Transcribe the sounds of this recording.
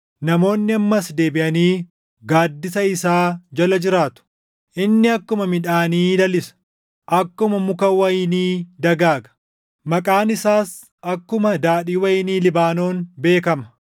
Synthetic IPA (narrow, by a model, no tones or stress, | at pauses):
nɐmo̞ːnːɪɐmːɐsd̪e̞ːbɪʔɐniː | ɡaːd̪ːɪsɐɪsaːd͡ʒɐlɐd͡ʒɪɾaːt̪ʊ̥ | ʔɪnːɪɐkːʊmɐmɪᶑaːniːd̪ɐlɪsɐ̥ | ʔɐkːʊmɐmʊkɐwɐjniːd̪ɐɡaːɡɐ̥ | mɐkʼaːnɪsaːs | ʔɐkːʊmɐd̪aːɗiːwɐjniːlɪbaːno̞ːnbe̞ːkɐmɐ